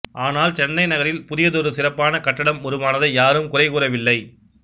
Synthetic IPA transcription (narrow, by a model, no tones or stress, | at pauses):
ʔaːnaːlt͡ʃɛnːɐɪnɐɣɐɾɪlpʊðɪjɐðɔɾɯsɪrɐpːaːnɐkɐʈːɐɽɐmːʊɾɯmaːnɐðɐjaːɾɯmkʊrɐɪkuːrɐʋɪlːɐɪ